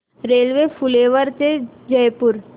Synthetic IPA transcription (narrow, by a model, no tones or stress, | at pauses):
ɾeːlʋefʊleːʋəɾt͡ʃed͡ʒəjpʊɾ